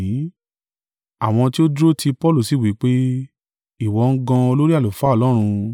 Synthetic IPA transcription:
ĩ˨˦ | a˨w̃ɔ̃˧ti˦o˦dɾo˦tʰi˧pɔ˦lu˦˨si˦˨wi˨˦k͡pe˦ | i˦˨wɔ˨˦˧ŋ̩˦ɡã˧o˧lo˦ɾi˦a˦˨lo˨fa˦ɔ˧˨lɔ˦ɾ̃ũ˧

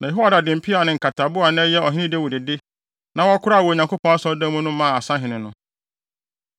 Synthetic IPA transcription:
nã˨jɛ˨ɦo˦a˦da˨dɪ̃˨m̩˨pʰi˦a˨nɪ̃˨ŋ̩˨kʰa˨tʰa˨bʊ˦a˨nɛ̃˦jɛ˦ɔ˨ɦɪ̃˦nɪ̃˦dɛ˦˨wu˨dɪ˨dɪ˦ | nã˨˦wɔ˦kʰʊ˦ɾa˦˨wɔ˨ɲã˨kʰo˦pʰɔ̃˦a˦sɔ˦dã˦mũ˦nʊ̃˦mã˦˨a˨sã˦ɦɪ̃˨nɪ̃˨nʊ̃˦

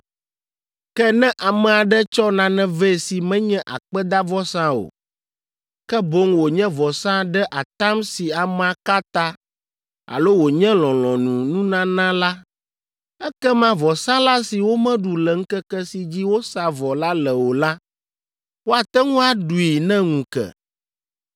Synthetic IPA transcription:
kɛ˦nɛ̃˦ʔa˨mɛ˨a˨ɖɛ˦t͡ʃɔ˦nã˨nɛ̃˦vɛ˦˨si˨mɛ̃˦ɲɛ̃˦ʔa̰˨k͡pɛ˦d̪a˦vɔ˦sã˦o̰˨ | kɛ˦bo˦ŋwo˨ɲɛ̃˦vɔ˨sã˦ɖɛ˦ʔa˨t̪ã˦msi˨a˨mɛ̃˨a˨ka˦t̪a˦ | a̰˨lo˦wo˨ɲɛ̃˦lɔ̃˨lɔ̃˨nũ˨nũ˦nã˦nã˦la˦ | ɛ˦kɛ˦mã˦vɔ˨sã˦la˦si˨wo˦mɛ̃˦ɖu˨lɛ˨ŋ̩˦kɛ˦kɛ˦si˨d͡ʑi˦wo˦sa˨vɔ˨la˦lɛ˨wo˨la˦ | wo˦a˨t̪ɛ˦ŋũ˦a˦ɖu˨i˨nɛ̃˦ŋũ˨kɛ̰˨

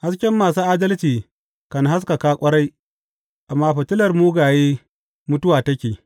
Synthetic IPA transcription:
ha˦skʲɛ˦mːaː˨suː˦ʔaː˦dɐ˦lt͡ʃiː˨ | kɐ˨nɦa˦s̬ka˨kaː˦kʷʼɐ˦ɽa˦j | ʔa˨mːaː˦ɸɐ˨tɪ˦lɐ˨rmuː˦ɡaː˨jeː˦ | mʊ˦tʊ˦waː˨tɐ˦kʲeː˨

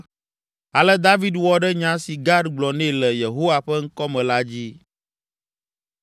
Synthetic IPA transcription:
a˨lɛ˦d̪a˦vi˦d̪wɔ˨ɖɛ˦ɲã˦si˨ɡa˦dɡ͡blɔ˨nɛ̃˦˨lɛ˨je˨ɦo˦wa˨ɸɛ˦ŋ̩˦kɔ˦mɛ̃˨la˦d͡ʑi˦

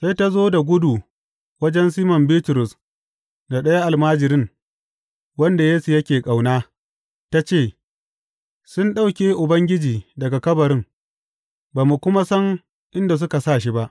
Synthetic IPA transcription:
sa˦jta˦zoː˦da˨ɡʷʊ˦du˨ | wɐ˦d͡ʒɛ˦nsiː˦mɔ˨mbiː˦tʊ˨ɾʊ˨s | na˨ɗɐ˦ja˦ʔa˨lmaː˦d͡ʒɪ˨ɾɪ˦ŋ | wɐ˦nda˨jeː˦su˨jɐ˦kʲeː˨kʼa˨wnaː˦ | ta˦t͡ʃeː˦˨ | sʊ˦nɗa˦wkʲeː˦ʔʊ˨bɐ˦ŋɡʲɪ˦d͡ʒiː˨dɐ˨ɡa˨kɐ˦bɐ˨ɾɪ˦ŋ | baː˨mu˨kʷʊ˦ma˦sɐ˦ŋ | ʔɪ˦nda˨s̬ʊ˦ka˨saː˦˨ʃ̬i˦ba˦ʔ

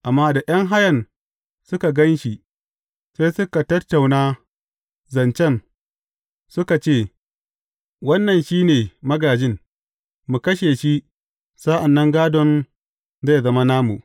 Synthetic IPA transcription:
ʔa˨mːaː˦da˨j̰ɐ˦ŋɦa˦jɐ˨n | sʊ˦ka˨ɡɐ˦nʃi˨ | sa˦jsʊ˦ka˨tɐ˦tːa˨wnaː˦ | zɐ˨nt͡ʃɛ˦˨n | sʊ˦ka˨t͡ʃeː˦˨ | wɐ˦nːɐ˨nʃiː˦neː˨mɐ˦ɡaː˨d͡ʒɪ˦n | mu˨kɐ˦ʃeː˨ʃi˦ | saː˦ʔa˨nːɐ˦ŋɡaː˦dɔ˨n | za˦˨jzɐ˦ma˦naː˦mṵ˨ʔ

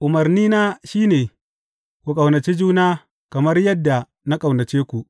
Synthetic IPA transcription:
ʔʊ˨mɐ˨rniː˦naː˦ʃiː˦neː˨ | kʷu˨kʼa˨wnɐ˨t͡ʃiː˦d͡ʒuː˦naː˦ | kɐ˨mɐ˦rjɐ˦dːa˨ | na˦kʼa˨wnɐ˨t͡ʃeː˦kʷu˨ʔ

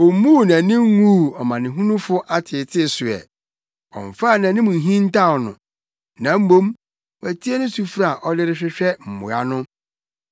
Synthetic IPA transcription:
ɔ˨˦mũː˦˨nã˨nɪ̃˦ŋ˦ŋu˦˨ɔ˨mã˨nɪ̃˨ɦũ˦nũ˦fʊ˦ʔa˦tʰɪ˨tʰɪ˦˨sʊ˨ɛ̰˨ | ɔ̰˨ɱ˨fa˦˨nã˨nɪ̃˦mʊ̃˨ɦĩ˦n˦tʰa˦˨ɔ˨nʊ̰̃˨ | nã˨m̩˦mõ˦m | wæ˨tʰi˦e˦nʊ̃˦su˨fɾa˦˨ʔɔ˦lɪ˦ɾɪ˦ɕᶣɪ˦ɕᶣɛ˦m̩˨mʊ̰̃˨a̰˦nʊ̃˦

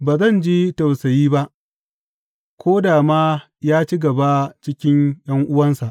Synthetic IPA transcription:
baː˨zɐ˦˨nd͡ʒiː˦ta˨wsɐ˨jiː˦ba˦ʔ | kʷoː˦daː˨maː˦ | jaː˦t͡ʃi˦ɡɐ˨ba˦t͡ʃɪ˦kʲɪ˦ɲj̰ɐ˦ŋʔʊ˦wɐ˦nsa˨ʔ

